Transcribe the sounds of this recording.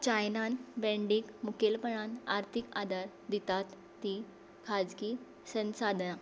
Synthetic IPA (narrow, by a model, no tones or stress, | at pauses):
t͡ɕajnanbɛ̃ɳɖikmukelpəɳanaɾt̪ʰikad̪aɾ | d̪it̪at̪ːi | kʰad͡zki | sə̃nsad̪ʱna